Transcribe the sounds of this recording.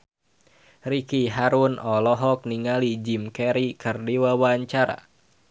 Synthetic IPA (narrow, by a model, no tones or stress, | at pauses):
rikiɦaɾunɔlɔɦɔk̚niŋalid͡ʒimkɛɾikʰɨrdiwawaɲt͡ʃaɾa̰